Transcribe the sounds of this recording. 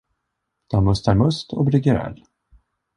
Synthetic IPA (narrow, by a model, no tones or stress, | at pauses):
d̪̥ɔmɵst̪æɾmɵst̪ʰɔ̰bɾɪɡəɾɛ̰l